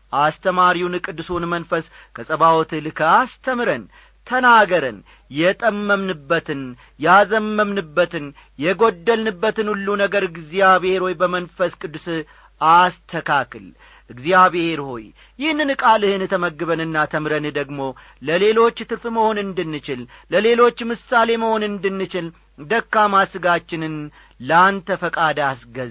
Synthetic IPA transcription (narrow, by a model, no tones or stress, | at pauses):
ʔast̪ʰəmaɾiwunɨkʼɨd̪ɨsunmənfəs | kʰəsʼəβawt̪ɨlɨkʰəast̪ʰəmɾən | t̪ʰənaɡəɾən | jɛt̪ʼəmːəmnɨbːət̪ʰɨn | jazəmːəmnɨbːət̪ɨn | jɛɡo̞d̪ːəlnɨbːət̪ɨnulːunəɡəɾɨɡzijaβhe̞ɾho̞jbəmənfəskʼɨd̪ːɨs | ʔast̪ʰəkʰakʰɨl | ʔɨɡzijaβhe̞ɾho̞̰j | jɪhnɨnkʼalɨhɨnt̪ʰəməɡːɨβənɨnːat̪ʰəmɾənɨd̪əɡmo̞ | ləle̞lo̞t͡ʃːt̪ʰɨɾfɨməho̞nɨnd̪ɨnːɨt͡ʃɪlləle̞lo̞t͡ʃːmɨsːale̞məho̞nɨnd̪ɨnːɨt͡ʃɪl | d̪əkːamasɨɡat͡ʃːɪnɨn | ləant̪ʰəfəkʼad̪asɡəz